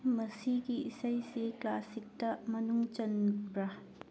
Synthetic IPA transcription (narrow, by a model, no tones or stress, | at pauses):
mɐsiɡiːsɐjseklasik̚tɐmɐnuŋt͡ʃɐnbɾɐ